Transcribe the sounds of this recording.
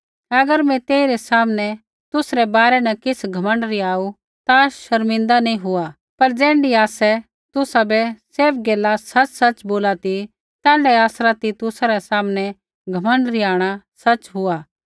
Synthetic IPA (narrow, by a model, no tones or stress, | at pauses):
ɐɡəɾmɛ̃t̪eːiɾɛsaːmnɛ | t̪ʊsɾɛbaːɾɛnɐkɪsɡʱɐmə̃ɳɖɾiaːu | t̪aʃɐɾmɪ̃nd̪anɐĩɦʊa | pɐɾd͡ʒɛ̃ːɳɖiaːsɛ | t̪ʊsabɛseːfɡeːlːasɐt͡ʃsɐt͡ʃboːlat̪i | t̪ɛːlɛaːsɾat̪it̪ʊsaɾɛsaːmnɛ | ɡʱɐmə̃ɳɖɾiaːɽ̃asɐt͡ʃɦʊaː